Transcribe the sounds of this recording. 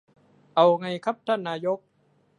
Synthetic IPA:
ʔa˨wŋa˧jkʰa˦˥p̚t̪ʰa˥˩nːaː˧jo˦˥k̚

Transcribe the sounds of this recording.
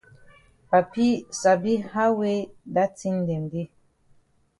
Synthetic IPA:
pa˨pi˦sa˨bi˦ha˦we˦da˦ti˦ŋ˨dɛ˨m˨bi˦

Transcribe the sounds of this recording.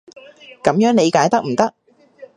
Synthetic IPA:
kɐ˨˥mjœː˨˥ŋne˨˧jkaː˨˥jt̪ɐ˥k̚m̩˨˩t̪ɐ˦˥k̚

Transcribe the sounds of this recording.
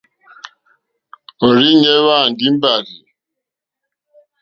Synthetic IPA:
o˨ɾi˦ɲe˦wa˦˨n̩˨dɪ˦m̩˦ba˨ɣi˨

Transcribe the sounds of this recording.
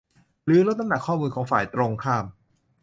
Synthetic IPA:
lɯː˨˦˥lo˦˥t̪̚ːa˧˥na˨˩kʰɔː˥˩muː˧nkʰɔː˩˦ŋfaː˨˩jt̪ɾo˧ŋkʰaː˥˩m

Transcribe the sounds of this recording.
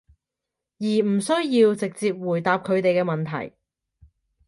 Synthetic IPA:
jiː˨˩m̩˨˩sɵ˥ɥjiː˧wt͡sɪ˨k̚t͡siː˧p̚wuː˨˩jt̪aː˧p̚kʰɵ˨˧ɥt̪e˨jkɛː˧mɐ˨nt̪ʰɐ̰˨˩j

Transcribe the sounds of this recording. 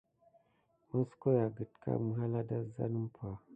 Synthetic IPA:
mə˦sko˦ja˨ɡə˨tkʰa̰˦mɨ˦ɦa˦la˦da˦za̰˦nɨ˦m˦pʰa˨

